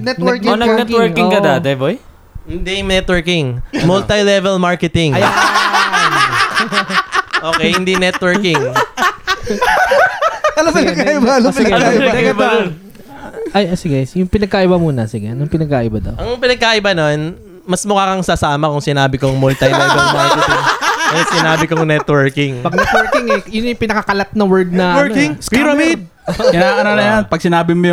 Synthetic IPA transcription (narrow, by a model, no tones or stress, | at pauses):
nɛt̪wɛknɐɡnɛtwɛɹkɪŋkɐd̪ad̪ɛboj | hɪnd̪imnɛt̪wɛɹkɪŋmɔlt̪ɐjlɛvɛlmaɹkɛt̪ɪŋɐj | ʔoːkɛjhɪnd̪inɛt̪wɛɹkɪŋ | ɐlopɪnɐɡ̚kaʔɪbaɐlopɪaɪba | ʔɐjʔɐsɪɡɛsjʊŋpɪnɐɡkaʔɪbɐmuːnɐsɪɡɛnʊŋpɪnɐɡ̚kaːʔɪbɐd̪ɐ̰wʔɐŋpɪnɐɡ̚kaʔɪbɐnon | mɐsmʊkaːkɐŋsasaːmɐkʊŋsɪnaːbɪkoŋmolt̪ɐjmnɐʔɪbɐmɐŋɐt̪ut̪ɪɐjosɪnaːbɪkoŋnɛt̪wɛɹkɪŋpɐɡ̚nɛt̪wɛɹkɪŋɛjʊnjʊŋpɪnɐkɐkɐlat̪̚nɐwɛɹd̪̚nɐwɛɹkɪŋskiɾɐmid̪̚ | ɪnaʔɐɾalɐjanpɐɡ̚sɪnaːbɪmojʊ